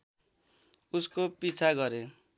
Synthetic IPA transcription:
uskopit͡sʰaɡʌɾe

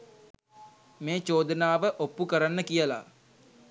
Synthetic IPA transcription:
meːt͡ʃoːd̪ənaːʋəʔopːukəɾanːəkijəla̰

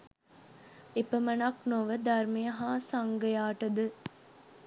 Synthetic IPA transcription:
epɐmɐnɐknoʋəd̪ɐɾmejɐɦaːsɐŋɡɐjaːʈɐd̪ɨ

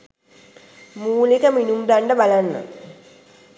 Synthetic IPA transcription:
muːlikɐminumdɐɳɖəbalanːə̰

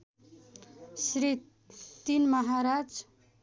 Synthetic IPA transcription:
sɾit̪ | t̪inmʌɦaɾad͡z

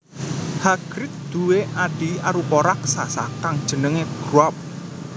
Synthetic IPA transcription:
haɡ̥ɾɪt̪̚d̪̥ṳweʔaɖ̥iaɾupoɾaksasa̰kaŋd̥ʒ̥ə̤nəŋeɡ̥ɾuap̚

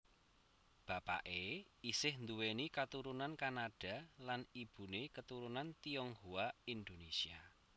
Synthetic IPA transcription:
b̥a̤pa̰ʔeisɪhnd̪uwenikat̪uɾunankanaɖ̥a̤lanib̥ṳnekət̪uɾunant̪iɔŋhuaind̪onesia

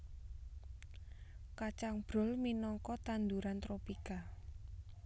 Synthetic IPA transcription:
kat͡ʃaŋb̥ɾɔ̤lminɔŋkɔt̪and̪uɾant̪ɾopika

